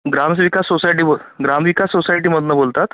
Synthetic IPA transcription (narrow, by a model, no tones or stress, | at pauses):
ɡɾams̬ʋikassːosajʈ̬iːboɡɾamʋikasːosajʈiːməd̪nabolt̪at̪